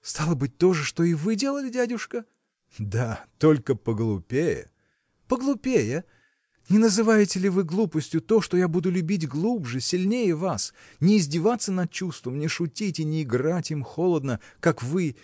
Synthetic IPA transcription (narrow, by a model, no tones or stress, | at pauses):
st̪alˠəbɨt̚ʲt̪o̞ʐɨʂt̪o̞ɪvɨdʲe̞lˠəlʲɪdʲædʲʊʂkə | d̪at̪o̞lʲkəpəɡlˠʊpʲejə̰ | pəɡlˠʊpʲejə | nʲɪnəzɨvajɪtʲɪlʲɪvɨɡlˠupəsʲtʲjʊt̪o̞ʂt̪ojabud̪ʊlʲʊbʲit̬ʲɡlˠubʐɨsʲɪlʲnʲejəvas | nʲɪːzʲdʲɪvat̪sːənɐt̪̚t͡ɕust̪vəmnʲɪʂʊtʲitʲɪnʲɪːɡratʲimxolˠəd̪nəkakvɨ